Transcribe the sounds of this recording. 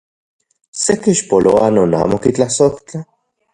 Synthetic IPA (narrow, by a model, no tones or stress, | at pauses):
sekiʃpoloanoːna̰ːmokit͡ɬahsokt͡ɬa